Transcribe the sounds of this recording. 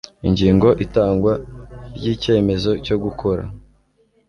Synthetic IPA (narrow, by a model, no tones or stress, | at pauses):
iɲɟiːŋɡo̞ʔitaːŋɡwaɾɟiːce̞ːme̞zo̞co̞ɡukʰo̞ɾa̰